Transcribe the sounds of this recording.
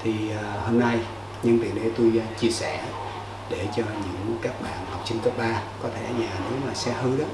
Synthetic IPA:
t̪ʰi˨˩əː˨˩ho˧mna˧j | ɲɨ˧ŋvḭ˨˩əŋɗe˧t̪u˧jt͡ɕi˧əsɛ˧˩˨ | ɗe˧˩t͡ɕɔ˧ɲɨ̰˧˥ŋkaː˦˥k̚ɓa̰ː˧˨nha˨˩wk͡p̚t͡ɕï˧ŋkə˦˥p̚ɓaː˧kɔ˨˦t̪ʰe˧˩ʔaː˧ɲaː˨˩nɨ̰˨˦maː˨˩sɛ˧hɨ˧ɗɔ˨˦

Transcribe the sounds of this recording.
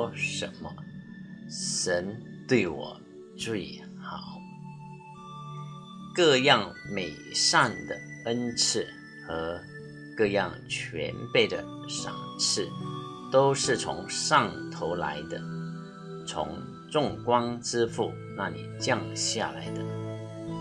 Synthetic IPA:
ʂə˧˥nmə˧ | ʂə˧˥n | t̪we˥˩ɪwɔ̰˨˩ | ʈ͡ʂu˥˩i | xɑ˨˩ʊ˦ʊ | kɤ˥˧jɑ˥˩ŋme˨˩ɪʂɑ˥˩ŋd̪ə̰˩ə˥nt͡sʰɻ̩˥˩ | xɤ˧˥ | kɤ˥˧jɑ̰˥˧ŋt͡ɕʰɥɛ̰˧˥npe˥˩ɪd̪ə̰˩ | ʂɑ̰˨˩ŋt͡sʰɻ̩˥˩ | t̪o˥ʊʂɻ̩˥˩t͡sʰʊ̰˧˥ŋʂɑ˥˩ŋt̪ʰo˧˥ʊla̰˧˥ɪd̪ə˧ | t͡sʰʊ̰˧˥ŋ | ʈ͡ʂʊ˥˨˩ŋkwɑ˥ŋʈ͡ʂɻ̩˥fṵ˥˩ | na˥˩lḭ˨˩t͡ɕjɑ˥˧ŋɕja̰˥˩la̰˧˥ɪd̪ə˧

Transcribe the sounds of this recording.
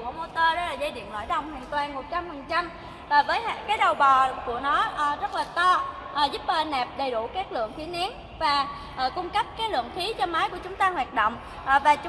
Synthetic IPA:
kːmo˧t̪əː˧ɗɔ˨˦laː˨˩zə˧jɗḭ˧˨ənlwa̰ː˧˨jɗə˧˩wŋ͡mhwḭ˧˨ənt̪waː˨˩nmo˨˩t̚t͡ɕa˧mfə˨˩ŋt͡ɕa˧m | vaː˨˩vəː˨˦jha˧kaː˨˦jɗə˨˩wɓɔ˨˩ku˧˩ənɔ˨˦ʔzə˦˥t̚laː˨˩t̪ɔ˧ | ʔzu˦˥p̚ʔəː˧nɛ˨˩p̚ɗə˨˩jɗu˧˩kaː˦˥k̚lɨ̰˧˨əŋt̪ʰi˨˦nɛ˨˦n | vaː˨˩ | ʔkʊ˧ŋ͡mkə˦˥p̚kaː˨˦jlɨ̰˧˨əŋt̪ʰi˨˦t͡ɕɔ˧maː˨˦jku˧˩ət͡ɕʊ˨˦ŋ͡mt̪aː˧hwaː˨˩t̚ɗo̰˧˨wŋ͡m | ʔvaː˨˩t͡ɕ

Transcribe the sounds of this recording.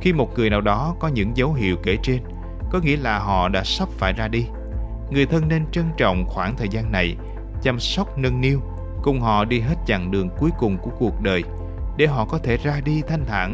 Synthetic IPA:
xi˧mo˨˩t̚ŋɨ˨˩əjnaː˨˩wɗɔ˨˦kɔ˨˦ɲɨ̰˧˥ŋzə˨˦wɦḭ˧˨əwke˧˩t͡ɕe˧n | kɔ˨˦ŋḭ˧˥əlaː˨˩ɦɔ̰˧˨ɗa̰ː˧˥sə˦˥p̚faː˧˩jzaː˧ɗi˧ | ŋɨ˨˩əjt̪ʰə˧nːe˧nt͡ɕə˧nt͡ɕɔ̰˧˨wŋ͡mxwaː˧˩ŋt̪ʰəː˨˩jzaː˧nːa˨˩j | t͡ɕa˧msə˦˥wk͡p̚nə˧nːi˧əw | kʊ˨˩ŋ͡mɦɔ̰˧˨ɗi˧ɦe˦˥t̚t͡ɕa̰˧˨ŋɗɨ˨˩əŋku˨˦jkʊ˨˩ŋ͡mku˧˩əku˨˩ək̚ɗəː˨˩j | ɗe˧˩ɦɔ̰˧˨kɔ˨˦t̪ʰe˧˩zaː˧ɗi˧t̪ʰa˧jŋ̟t̪ʰa̰ː˧˩n

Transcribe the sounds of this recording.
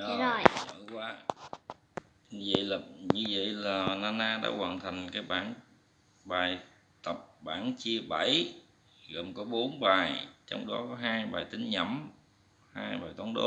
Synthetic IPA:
ɗɔ˨˦o˨˩ɲɔ˧˩kwaː˨˦˨ | zə̰˧˨jla˨˩ɲɨ˧və̰˧˨jlaː˨˩laː˧naː˧ɗa̰ː˧˥kwaː˨˩nt̪ʰa˨˩jŋ̟kaː˨˦jɓaː˧˩n | ɓaː˨˩j | t̪ə˨˩p̚ɓaː˧˩nt͡ɕi˧əɓə˧˩j | ɣə˨˩mkɔ˨˦ɓo˨˦nɓaː˨˩jt͡ɕɔ˧wŋ͡mɗɔ˨˦kɔ˨˦ɦaː˧jɓaː˨˩jt̪ï˨˦ŋ̟ɲə̰˧˩m | haː˧jɓaː˨˩jt̪wa˨˦nɗo̰˨˦

